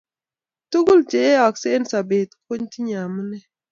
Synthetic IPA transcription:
tu˦ɡu˦lt͡ʃe˨e˦ɔ˨kse˦n˦sa˨be˨t̚kʰo˦ɲti˦ɲa˨mə˦nɛ˦

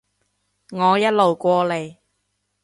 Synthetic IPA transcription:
ŋɔː˨˧jɐ˥t̚lo˨wkʷɔː˧le˨˧j

